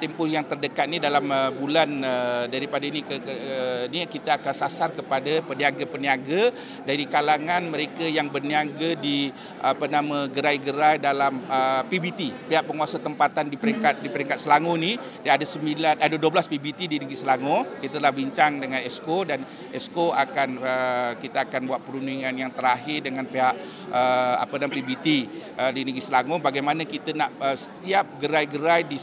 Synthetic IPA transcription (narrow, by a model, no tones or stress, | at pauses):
t̪ɛmpʊhjaŋt̪ərdəkat̪̚nidalaməbulanədaɾipadainikə | nikit̪aakansasarkəpadapəniaɡapəniaɡa | daɾikalaŋãnməɾekajaŋbərniaɡadi | ʔapənamãɡəɾajɡəɾajdalaməpibit̪ipiaʔpəŋuasat̪əmpat̪andipəɾɛŋkat̪̚dipəɾiŋkat̪səlaŋoni | daadasəmilanadəduəblaspibit̪idiniɡisəlaŋokit̪əlahbiɲt͡ʃaŋdəŋanɛskodan | ɛskoakanəkit̪aakanbuat̪̚pəɾuniŋanjaŋt̪əɾaɦɪrdəŋanpeɦaʔ | əa̰pənamapibit̪iədiniɡisəlaŋobaɡajmanakit̪ənaʔəsə̥t̪iap̚ɡəɾajɡəɾajdi